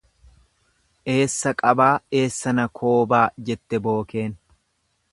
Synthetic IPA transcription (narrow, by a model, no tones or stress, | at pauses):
ʔe̞ːsːɐkʼɐbaːe̞ːsːɐnɐkʰo̞ːbaːd͡ʒɛt̪ːɛbo̞ːke̞ːn